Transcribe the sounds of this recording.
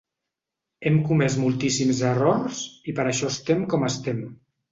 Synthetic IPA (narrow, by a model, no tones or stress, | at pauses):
ɛmkumɛzmulˠt̪isimzərɔrsipəɾəʃɔst̪emkɔməst̪ɛm